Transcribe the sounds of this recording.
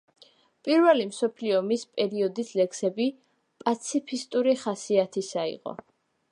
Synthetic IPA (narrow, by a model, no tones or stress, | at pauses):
pʼiɾvɛlimsɔpʰliɔmispʼɛɾiɔd̪islɛksɛbi | pʼat̪sʰipʰist̪ʼuɾiχasiat̪ʰisaḭʁɔ̰